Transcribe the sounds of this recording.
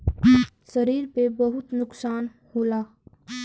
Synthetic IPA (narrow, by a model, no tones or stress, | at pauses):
sɐɾiːɾpebɐɦʊt̪nʊksaːn | hoːlaː